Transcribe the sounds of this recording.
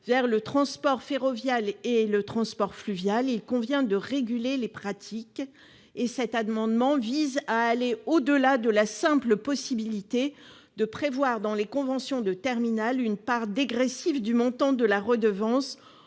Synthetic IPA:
vɛʁlət̪χɑ̃spɔʁfeʁɔvjalelət̪χɑ̃spɔʁflyvjalilkɔ̃vjɛ̃d̪əʁeɡʲylelepχat̪ʰik | esɛt̪amɑ̃d̪mɑ̃vizaːleod̪əlad̪əlasɛ̃pləpɔsibilit̪e | d̪əpχevwaʁd̪ɑ̃lekɔ̃vɑ̃sjɔ̃d̪ət̪ɛʁminalynpaʁd̪eɡʁɛsivd̪ymɔ̃t̪ɑ̃d̪əlaʁəd̪əvɑ̃s

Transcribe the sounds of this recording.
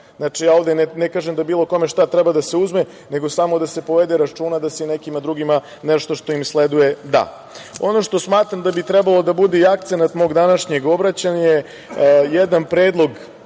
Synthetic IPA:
znat͡ʃijaːo̞ʋd̪ennekaːʒemd̪abiːlˠo̞ko̞meʃt̪at̪ɾɛbad̪ase̞uzme | ne̞ɡo̞samo̞d̪ase̞po̞ʋed̪eɾat͡ʂuːnad̪asenekimad̪ɾuɡima | neʃt̪o̞ʃt̪o̞imsled̪uje̞d̪a̰ | o̞no̞ʃt̪o̞smaːt̪ɾamd̪abit̪ɾɛbalˠo̞d̪abud̪eiakt̪senat̪mo̞ːɡd̪anaʂɲe̞ɡo̞bɾat͡ɕanje | jed̪anpɾeːd̪lˠo̞ɡ

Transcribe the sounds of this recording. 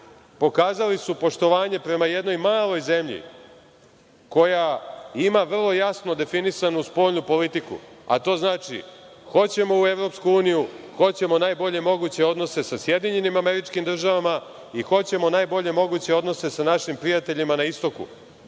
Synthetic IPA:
po̞kaːzalisupo̞ʃt̪o̞ʋaːɲe̞pɾe̞maje̞d̪no̞jmaːlˠo̞jze̞mʎḭ | ko̞jaimaʋr̩lˠo̞jasno̞d̪e̞finisanuspo̞ʎnupo̞lit̪ikṵa̰t̪o̞ːznaːt͡ʃḭ | xo̞t͡ɕe̞mo̞ue̞vɾo̞pskuuːnijuxo̞t͡ɕe̞mo̞naːjbo̞ʎe̞mo̞ɡuːt͡ɕe̞o̞d̪no̞se̞sasjed̪iɲe̞nimame̞ɾit͡ʃkimd̪r̩ʒaʋama | ixo̞t͡ɕe̞mo̞naːjbo̞ʎe̞mo̞ɡut͡ɕe̞o̞d̪no̞se̞sanaʃimpɾijat̪e̞ʎimanaist̪o̞kṵ

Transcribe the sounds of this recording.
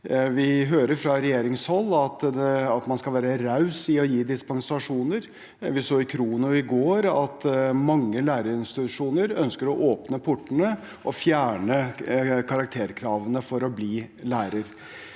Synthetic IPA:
ʋɪɦøːɾəɾfɾɑɾɛjeːɾɪŋshɔlːɑt̪d̪ɛɑt̪mɑnskɑlʋæːɾəɾɑʉsɪɔjiːd̪ɪspɑŋsɑʂuːnəɾ | ʋɪsoːɪkʰɾuːnʊɪɡoːɾɑt̪mɑŋːəlæːɾəɪnst̪ɪt̪ʉʂuːnəɾœnskəɾɔʔoːpnəpʰʊʈːənə | ʔɔfjæːɳəkʰɑɾɑk̚t̪ʰeːɾkʰɾɑːʋənəfɔɾɔbliːlæːɾəɾ

